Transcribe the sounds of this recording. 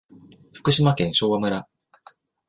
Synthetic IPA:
ɸɯ̥kɯ̟ɕimakẽ̞ɰ̃ɕo̞ːβamɯ̟ɾa

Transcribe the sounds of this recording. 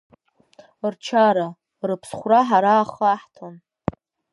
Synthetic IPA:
rt͡ʃʰaɾa | rɨpʰsχʷraħaɾaːχaħtʰon

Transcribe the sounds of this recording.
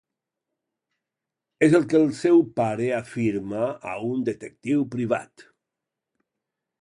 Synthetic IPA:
ezəlˠkelˠsɛwpaɾeafiɾmaa̰und̪et̪ek̚t̪iwpɾiβ̞a̰t̪

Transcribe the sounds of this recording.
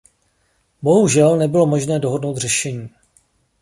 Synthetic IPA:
bo̞ɦuʒɛlnɛbɪlo̞mo̞ʒnɛːdo̞ɦodnowt̪r̝ɛʃɛɲiː

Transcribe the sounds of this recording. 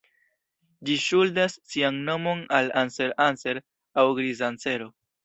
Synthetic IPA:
d͡ʒiʃuldasːianno̞mo̞nalanse̞ɾanse̞ɾ | awɡɾizant͡se̞ɾo̞

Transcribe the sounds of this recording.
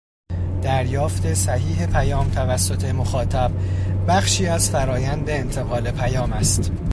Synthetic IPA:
d̪̥æɾjɒːft̪ʰe̞sæhiːɦe̞pʰæjɒːmt̪ʰævæsːo̞t̪ʰe̞moxɒːt̪ʰæb̥bæχʃiːæzfæɾɒːjænd̪e̞ːnt̪ʰe̞ɣɒːle̞pʰæjɒːmæst̪

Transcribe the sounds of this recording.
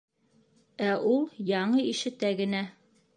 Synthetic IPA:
æʔulˠjɑɴɤiʃɘ̆t̪æɡɘ̆næ

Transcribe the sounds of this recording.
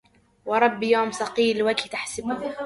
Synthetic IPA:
wɑɾˤɑbːjoːmsɑqiːlwakt̪aħsɪb

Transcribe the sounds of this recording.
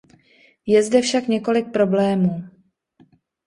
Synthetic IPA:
jɛzdɛfʃakɲɛko̞lɪk̚pɾo̞blɛːmuː

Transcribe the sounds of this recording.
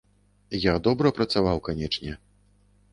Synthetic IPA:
jad̪ɔbɾɐpɾɐt̪savawkanʲɛt͡ʂnʲɛ

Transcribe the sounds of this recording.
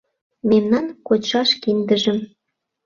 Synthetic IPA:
memnɑnkot͡ɕʃɑʃkind̪əʒə̆m

